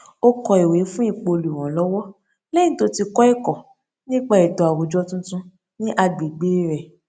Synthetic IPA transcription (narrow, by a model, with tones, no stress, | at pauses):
o˦kɔ˧i˨we˨˦fũ˦i˦˨k͡po˧lu˨w̃ɔ̃˨˦lɔ˦wɔ˦ | lɛ̃˦to˧ti˧kɔ˦i˦˨kɔ˨ | nĩ˦k͡pa˦i˨dɔ˨a˨wo˨d͡ʒɔ˧˦tũ˦tũ˧ | nĩ˦ʔa˧ɡ͡bi˨ɡ͡be˦ɾɛ˨